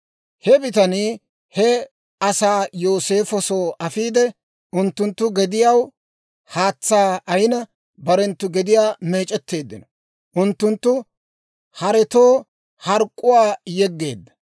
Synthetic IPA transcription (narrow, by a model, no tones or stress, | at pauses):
hɛbɪt̪ɐniː | hɛ | ɐsaːjo̞ːse̞ːfɔso̞ːʔɐfiːd̪ɛ | ʔʊnt̪ːʊnt̪ːʊɡɛd̪ɪjɐw | haːt͡sːaːʔɐjnɐ | bɐɾɛnt̪ːʊɡɛd̪ɪjaːme̞ːt͡ʃʼɛt̪ːe̞ːd̪ːɪnɔ | ʔʊnt̪ːʊnt̪ːʊ | hɐɾɛt̪oː | hɐɾkʼːʊwaːjɛɡːe̞ːd̪ːɐ̥